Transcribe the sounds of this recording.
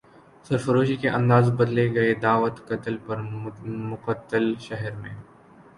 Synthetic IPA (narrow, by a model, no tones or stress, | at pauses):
sɐɾfɐɾoːʃ̬ikeʔɐ̃nd̪aːzbɐd̪leɡɐed̪aːʋət̪kɐt̪əlpɐɾmʊqət̪ːəlʃɛɦɛɾmḛ̃ː